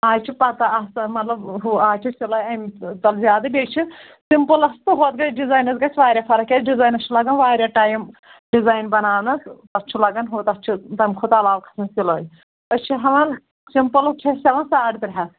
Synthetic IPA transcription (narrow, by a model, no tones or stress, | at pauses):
aːjt͡ʃʰipɐt̪ɐɐsɐmɐt̪lɐbɦuaːjt͡ʃʰisiloːjɐmʲt̪ɐlzʲjaːd̪ɐbʲeːt͡ʃʰi | simpɨlɐst̪ɨɦoːt̪̚ɡɐt͡ʃɖizaːjnɐzɡɐt͡ʃʰʲʋaːɾʲjafɐɾɐkʲɐɖizaːjnɐt͡ʃʰulɐɡɐnʋaːɾʲjaʈaːjm | ɖizaːjnbɐnaːnɐst̪ɐt͡ʃʰulɐɡɐnɦuːt̪ɐt͡ʃʰit̪ɐmʲkʰot̪ɐlaːʋkʰɐ̥sɐnsiloːj | ɐt͡ʃʰiɦɐʋɐn | simpɨlɐst͡ʃʰisʲɐʋɐnsaːɖt̪ɾʲɦɐs